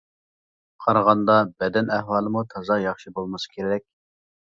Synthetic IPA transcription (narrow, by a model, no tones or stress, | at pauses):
qʰɑɾʁɑnd̪ɑbɛd̪ɛnæhwɑːlˠɨmut̪ʰɑzɑjɑχʃibolˠmɑsɨ̥kʲʰeɾɪɾɛk̚ʲ